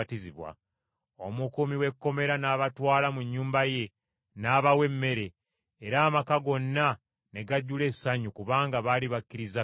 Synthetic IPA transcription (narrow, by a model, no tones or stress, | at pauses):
tiziβwa̰ | omukumiwe̞kːo̞me̞ɾanaːβatwaːlamuɲːuːmbaje̞ | naːβawe̞mːe̞ɾe̞ː | ɾaːmakaɡo̞nːa | ne̞ɡaɟːule̞saɲukuβaːŋɡaβaliβakːiɾiza